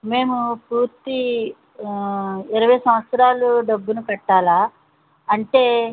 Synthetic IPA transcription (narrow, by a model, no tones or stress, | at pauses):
me̞ːmupuːɾt̪i | iɾɐʋɐjsɐmɐt̪sɐɾaːluɖɐbːunukɐʈːaːlaː | ɐɳʈe̞ː